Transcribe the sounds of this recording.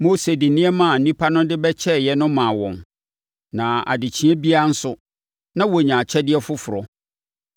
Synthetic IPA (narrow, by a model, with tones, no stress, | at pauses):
mo˦se˨dɪ˨nĩ˦ɛ˦mã˨n̩˨nĩ˦pʰa˦nʊ̃˦dɪ˦bɛ˦t͡ɕʰɛ˦˨jɛ˨nʊ̃˦mã˨wɔ̰̃˨n | nã˨a̰˨dɪ˨t͡ɕʰĩ˦ɛ˦bi˦a˦n̩˦sʊ˦ | nã˦wɔ˨ɲã˨t͡ɕʰɛ˦dɪ˦ɛ˦fʊ˦fʊ˨ɾɔ˨˦